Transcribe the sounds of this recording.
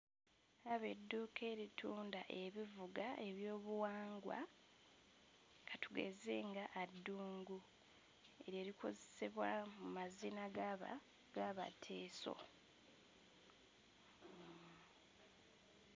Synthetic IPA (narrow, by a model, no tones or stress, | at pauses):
aβe̞dːuːkʰe̞ːɾitʰuːndaʔe̞βivuɡae̞βjo̞ːβuwaːŋɡwa̰ | katuɡe̞̰ze̞ŋɡaʔːdːuːŋɡu | e̞ɾe̞ːɾikʰo̞zeseβwamumazinaɡa | ɡaβa̰tʰe̞ːso̞̰